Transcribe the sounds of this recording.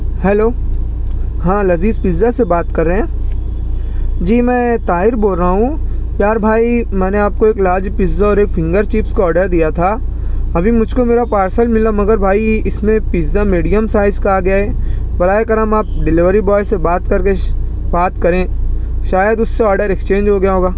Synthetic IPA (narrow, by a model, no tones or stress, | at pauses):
hɛːloː | ɦãːlɐziːzpizːasebaːt̪kɐɾːeɦɛ̃ː | d͡ʒiːmɛ̃ːt̪aːɦɪɾboːlɾəɦaɦũpjaːɾbʱaːimɛ̃ːneaːp̚koeːklaːd͡ʒpɪzaɔːɾeːkfʰɪ̃ŋɡəɾt͡ʃiːpskoɔːɾɖəɾd̪ijat̪ʰaː | ɐbʱimʊd͡ʒʱkomeːɾapaːɾsəlmɪlamɐɡəɾbʱaːiɪsmẽpɪzamiːɖijəmsaːɪzkaɡɐjaɦɛːbɐɾaːekɐɾəmaːp̚ɖɪlɪʋəɾibɔːɪsːebaːt̪kɐɾke | baːt̪kɐɾẽːʃaːjəd̪ʊsːeɔːɾɖəɾɛkst͡ʃẽːnd͡ʒɦoɡɐjaɦoːɡaː